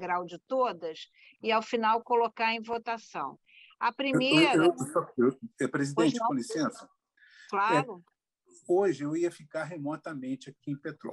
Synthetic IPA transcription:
ɡɾawd͡ʒɪt̪od̪ɐs | ɪawfinawkolokaɾẽj̃vot̪asɐ̰̃w̃ | ɐpɾimeɾẽt͡ʃsɔsepɾezidẽt͡ʃɪkõlisẽsʊ̥ | klaɛɾʊ | oʒɪewiɐfikaɾɦemɔt̪ɐmẽt͡ʃɪakiẽpet̪ɾɔ̰

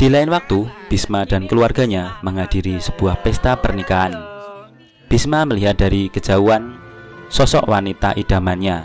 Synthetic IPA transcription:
d̥ilaɪnwak̚t̪ub̥ismad̥a̤nkəluarɡ̥a̤ɲaməŋad̥iɾisəb̥uahpɛst̪apərnikaːn | b̥ismaməliɦat̪̚d̥a̤ɾikə̥d͡ʒ̥a̤uansɔsɔʔwa̰nit̪a̰ʔid̥a̤manɲa

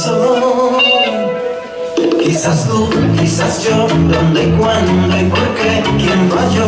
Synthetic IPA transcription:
so | kisast̪ukisasd͡ʒod̪ond̪ejkwannd̪ejpoɾkekjembaʒo

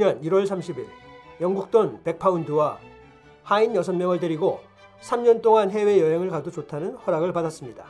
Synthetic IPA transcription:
ɲaniɾwʌɭsʰamɕʰibiɭjʌŋɡuk̚t͈ʌnpe̞k̚pʰaundɯwa | hainjʌsʰʌnmjʌŋɯɭteɾiɡo | sʰamɲʌnt͈oŋanɦe̞we̞jʌɦe̞ŋɯɭkadot͡ɕotʰanɯnhʌɾaɡɯɭpadas͈ɯmɲida

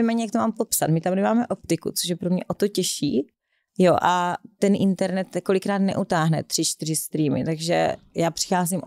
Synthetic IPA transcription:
ɛjmɛːɲɛjakt̪omaːmpopsat̪mɪt̪amnɛmaːmɛʔop̚t̪ɪkut͡soʃjɛpɾomɲɛʔot̪ocɛʃḭː | joʔat̪ɛnʔɪnt̪ɛɾnɛt̪ko̞lɪkɾaːt̪nɛ̰ʔut̪aːɦnɛ̰t̪r̥ɪt͡ʃt̪ɪrɪst̪ɾiːmɪ̰t̪aɡʒɛ̰jaːpr̥ɪ̥xaːzɪm

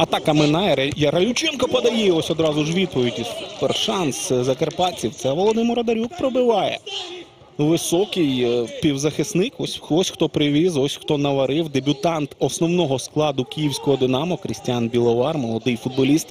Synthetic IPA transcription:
ɐt̪ɑkɐmɪnɑjɐɾɐjɐɾɐlʲʊt͡ʃɪnkɐpɐd̪ɐjɛiɔsʲɔd̪ɾɑzʊʒʋʲid̪̚pɔʋʲidʲiperʃɑnszɐkɐrpɑt͡sʲiwt̪sɛʋɔlˠɔd̪ɪmɪɾɐd̪ɐɾʲuk̚pɾɔbɪʋɑjɛ̰ | ʋɪsɔkɪjpʲiwzɐxɪsnɪkɔsʲxtɔsʲxt̪ɔpɾɪʋʲizɔsʲxt̪ɔnɐʋɐɾɪwd̪ebʲʊt̪ɑnt̪ɔsnɔwnɔɦɔsklˠɑd̪ʊkʲijiwsʲkɔɦɔd̪ɪnɑmɔkɾɪsʲtʲjanbʲilˠɔʋɑrmɔlˠɔd̪ɪjfʊd̪̚bɔlʲist̪

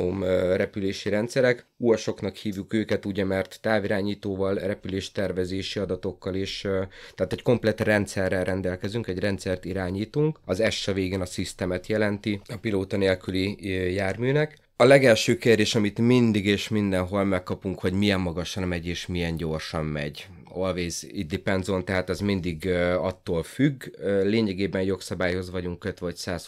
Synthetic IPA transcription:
omrɛpyleːʃiɾɛnt̪sɛɾɛkujɒʃo̞knɒkhiːvjukøːkɛt̪uɟɛmɛrt̪ːaːviɾaːɲiːt̪oːvɒlrɛpyleːʃt̪ɛrvɛzeːʃiɒd̪ɒt̪o̞kːɒleːʃt̪ɛːt̪ɛcko̞mplɛt̪rɛnt̪sɛrːɛlːɛnd̪ɛlkɛzyŋkɛɟrɛnt̪sɛrt̪iɾaːɲiːt̪uŋkɒzɛʃːɛveːɡeːnɒsist̪ɛmɛt̪jɛlɛnt̪iɒpiloːt̪ɒneːlkylijaːrmyːnɛk | ɒlɛɡɛlʃøːkeːrd̪eːʃɒmit̪mind̪iɡeːʃmind̪ɛnɦo̞lmɛkːɒpuŋkho̞ɟmijɛmːɒɡɒʃɒnmɛɟeːʃmijɛnɟo̞rʃɒmːɛ̰ɟ | olveːzid̪ipɛnzo̞nt̪ɛɦaːt̪ɛzmind̪iɡɒt̪ːoːlfyɡøleːɲɛɡeːbɛnjo̞ksɒbaːjho̞zʋɒɟuŋkø̞t̪vɒcsaːs

